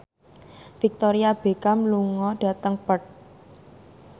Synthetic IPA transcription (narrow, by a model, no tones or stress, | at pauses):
fik̚t̪oɾiab̥e̤kamluŋɔɖ̥a̤t̪əŋpət̪̚